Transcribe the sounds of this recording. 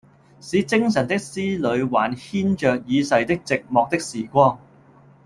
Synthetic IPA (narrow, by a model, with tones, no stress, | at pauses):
siː˨˧t͡sɪ˥ŋsɐ˨˩nt̪ɪ˥k̚siː˥lɵ˨˧ɥwa̰ː˨˩nhiː˥nt͡ʃœː˨k̚jiː˨˧sɐ˨jt̪ɪ˥k̚t͡sɪ˨k̚mɔː˨˧k̚t̪ɪ˥k̚siː˨˩kʷɔː˥ŋ